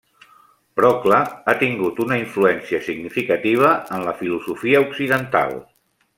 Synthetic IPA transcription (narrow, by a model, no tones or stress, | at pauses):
b̥ɾɔkləat̪iŋɡut̪unəiɱfluɛnsiəsiɡnifikət̪iβ̞əənləfiluzufiəuksiðənt̪a̰lˠ